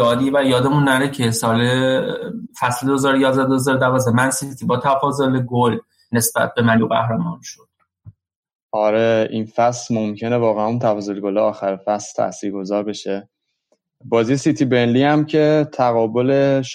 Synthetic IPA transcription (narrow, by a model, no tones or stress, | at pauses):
jɒːd̪iːvæjɒːd̪emunːæɾecʰesɒːle | fæsled̪oezɒːɾojɒːzd̪æd̪oezɒːɾod̪ævɒːzemænsit̪ʰibɒːt̪ʰæfɒːzoleɡol | ne̞sb̥æ̰t̪̚bemænjuɣæ̰hɾemɒːnʃod̪̥ | ɒːɾeʔiːnfæslmomcʰe̞nevɒːɣæænunt̪ʰæfɒːzo̞leɡoleɒːxæɾefæslt̪ʰæ̰siːɾɡo̞zɒːɾbeʃe | bɒːziesit̪ʰibe̞nliːhæmcʰe̞t̪ʰæɣɒːbo̞leʃ